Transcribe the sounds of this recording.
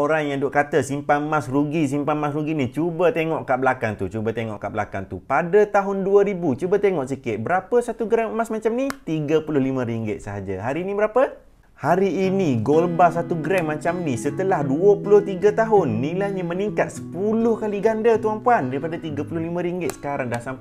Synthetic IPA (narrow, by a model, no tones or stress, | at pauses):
oɾaŋjaŋdoʔkat̪əsimpamãsruɡis̬impamas̬ɾuɡinit͡ʃubət̪eŋɔʔkaʔbəlakant̪ut͡ʃubət̪eŋɔ̰ʔkaʔbəla̰ka̰nt̪ṵpadət̪aɦʊnduəɾibut͡ʃubət̪eŋɔʔsikɪt̪̚bəɾapəsat̪uɡɾɛmːasmat͡ʃamnit̪iɡəpulʊhlimə̃ɾiŋɡɪt̪̚səɦad͡ʒə̰ɦaɾinibəɾapə | haɾiːniɡolbasat̪uɡɾɛmːat͡ʃamnisət̪əlahduəpulʊht̪iɡət̪aɦʊnːilajɲəməniŋkat̪̚sə̥pulʊhkaliɡandət̪uampuandaɾipadat̪iɡəpulʊhlimə̃ɾiŋɡɪt̪̚sə̥kaɾaŋdahsam